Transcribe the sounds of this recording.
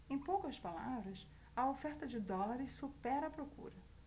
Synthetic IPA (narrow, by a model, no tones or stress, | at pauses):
ẽj̃powkɐspalavɾɐs | ɐofɛɾt̪ɐd͡ʒɪd̪ɔlaɾɪssupɛɾɐpɾokṵɾɐ